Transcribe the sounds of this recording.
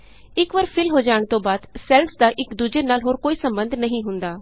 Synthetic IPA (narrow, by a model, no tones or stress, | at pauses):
ɪkʋɐɾpʰɪlɦod͡ʒaːəɽ̃t̪obaːd̪sɛːlsd̪aʔɪkd̪ud͡ʒenaːlɦoːɾkoːisɐ̃mbə̃nd̪ʱnɐɦĩɦʊ̃nd̪aː